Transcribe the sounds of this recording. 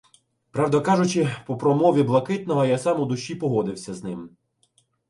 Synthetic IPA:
pɾɑwd̪ɐkɑʒʊt͡ʃɪpɔpɾɔmɔʋʲiblˠɐkɪt̪nɔɦɔjasɑmʊd̪ʊʃʲipɔɦɔd̪ɪwsʲɐznɪm

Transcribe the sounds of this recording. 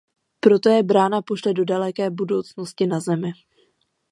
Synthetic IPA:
pɾo̞t̪o̞jɛbɾaːnapo̞ʃlɛdo̞dalɛkɛːbudo̞wt͡snoscɪnazɛmɪ

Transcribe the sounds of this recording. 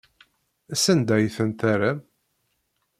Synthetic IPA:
æsənd̪æjθənt̪æɾæm

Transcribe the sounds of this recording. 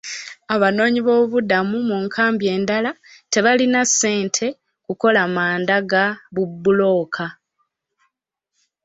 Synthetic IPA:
aβano̞ːɲiβo̞ːβudamumuŋkʰaːmbje̞ːndalate̞βalinasːe̞ːntʰe̞ | kuko̞lamaːndaɡaβubːulo̞ːkʰa

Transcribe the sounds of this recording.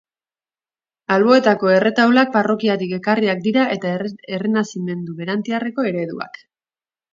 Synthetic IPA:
alβo̞e̞t̪ako̞e̞re̞t̪awlak̚paro̞kiat̪ike̞kariak̚d̪iɾae̞t̪aerenasime̞nd̪uβe̞ɾant̪iare̞ko̞e̞ɾe̞ðua̰k

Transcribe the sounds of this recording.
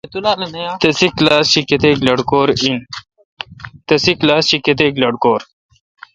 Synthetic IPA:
et̪ulaːlenɐjat̪ɐsiklaːsɕiket̪eɡlɐɽkoːɾin | t̪ɐsiklaːsɕiket̪̬eɡlɐɽkoːɾ

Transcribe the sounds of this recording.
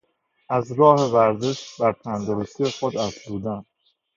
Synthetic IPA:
ʔæzɾɒːhe̞væɾze̞ʃbæɾt̪ʰænd̪oɾost̪ijexod̪æzbuːd̪æn

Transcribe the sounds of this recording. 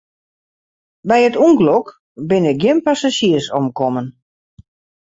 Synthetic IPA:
bɛjətuŋɡlɔk | bɪnɪɡjɪnpasaʃiərsɔmkɔmən

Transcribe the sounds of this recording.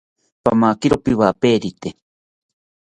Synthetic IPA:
pamakiɾopiwapeːɾit̪e

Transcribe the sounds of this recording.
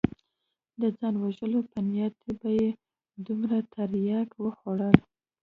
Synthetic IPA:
d̪əd͡zɑnwaʒəlopənijat̪ebaje | d̪umɾat̪ʰaɾjɑkwəxoɽəl

